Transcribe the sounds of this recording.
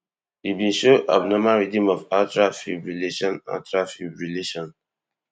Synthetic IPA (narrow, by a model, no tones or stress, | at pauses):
ibĩnʃoʔa̰bnɔmaɹidĩmɔvatɹafibɹileʃɔ̃na̰tɹafibɹileʃɔ̃n